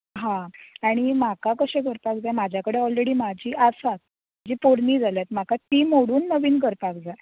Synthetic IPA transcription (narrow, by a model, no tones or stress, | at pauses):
ɦãaɽ̃imakakəɕẽɡʱəɾpakd͡zajmad͡ʑʱjakəɽeɔlɾeɽiːmad͡ʑʱiːʔasat̪̚ | mad͡ʑiːpoɾniːd͡zʱaljat̪m̤akat̪iːmoɽuːnːəʋiːnɡʱəɾpakd͡zaj